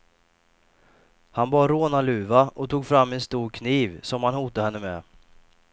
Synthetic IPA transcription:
hanbɑːɾːoːnalʉ̟ːvaʔɔt̪ʰuːɡfɾamːɛnst̪uːɾkʰniːvsɔmhanhuːt̪ahɛnːəmɛ̰

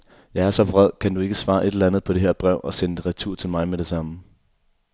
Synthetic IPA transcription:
jɑ̈ɪæɐsɒ̽bʁɛð̞̰ˠkʰændue̝ɡ̥əsʋɑ̈ːʔe̝d̥lænð̩ˠpʰɒ̽d̥e̝ɦæɐ̰b̥ʁɛʊ̰ʔɒ̽send̥ʁat͡sʰuɐ̰t͡sʰe̝lmɑ̈ɪmedɾ̥e̝sɑ̈mə

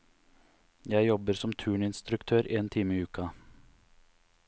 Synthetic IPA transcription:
jæɪjɔbəɾsɔmt̪ʰʉːɳɪnst̪ɾʉkt̪ʰøːɾeːnt̪ʰiːməɪːʉːkɑ

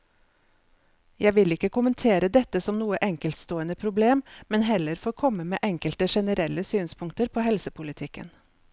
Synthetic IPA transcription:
jæɪʋɪlɪkːəkʊmənt̪ʰeːɾəd̪ɛt̪əsɔmnuːəʔɛŋkəlt̪st̪oːənəpʰɾʊbleːmmɛnɦɛləɾfoːkʰɔmːəmeːʔɛŋkəlt̪əʃɛnəɾɛlːəsyːnspʰʊŋkt̪əɾpʰoːhɛlsəpʰʊlɪt̪ʰɪkːə̰n

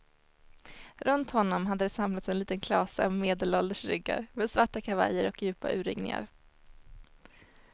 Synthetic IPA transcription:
ɾʔɵnt̪hɔnːɔmɦad̪ːəd̪ɛsamlat̪sɛnliːt̪ənkʰlɑːsə̰ɔmmeːd̪əlɔld̪əʂɾʏɡːa̰ɾmeːd̪svaʈːakʰava̰jːəɾɔkjʉ̟ːpa̰ʔʉ̟ːɾɪ̰ŋnɪ̰ŋa̰ɾ

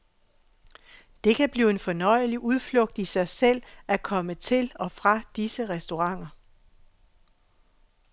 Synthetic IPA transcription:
d̥e̝kʰæb̥liːe̝nfɒ̽nɒ̽ɪ̰əliʔuð̞ˠflɔ̽ɡ̥̚d̥isɑ̈ɪsel̰ækʰɒ̽mət͡sʰe̝lɒ̽fʁɑ̈d̥isəʁɛsd̥o̝ʁɑ̈ŋ̰ɐ

